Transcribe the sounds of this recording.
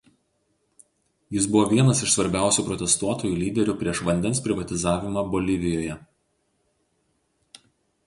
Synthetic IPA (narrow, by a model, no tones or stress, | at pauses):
jɪsbʊʋɔːʋʲiɛnɐsɪʃsʋɐɾʲbʲæˑʊsʲuːˑpɾɔt̪ʲɛst̪uɔt̪oːjuːlʲiːd̪ʲɛɾʲʊpʲɾʲiɛʃʋɐnʲd̪ʲɛnspʲɾʲɪʋɐt̪ʲɪzɑːʋʲɪmɑbɔlʲɪʋʲɪjoːjɛ